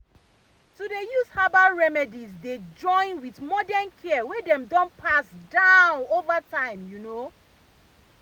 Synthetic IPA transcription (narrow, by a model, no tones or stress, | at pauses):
tudejushabaɹɛmɛdizded͡ʒɔ̃ɪ̃nwiθmɔdɛnkʰɛwɛdɛ̃mdɔ̃npʰasdãʊʊ̃novatʰãɪ̃mjuno